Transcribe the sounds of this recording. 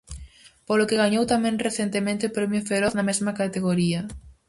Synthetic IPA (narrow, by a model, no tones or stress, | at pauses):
polokeɣaɲowt̪amɛ̃ŋreθent̪emẽnt̪ɪopɾɛmjʊfeɾɔθnɐmezmɐkat̪eɣoɾiɐ